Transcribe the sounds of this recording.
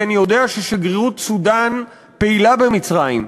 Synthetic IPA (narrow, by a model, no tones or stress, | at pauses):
anijo̞d̪eaʃeʃeɡʁiutt͡sudan | peilabe̞mit͡sʁajim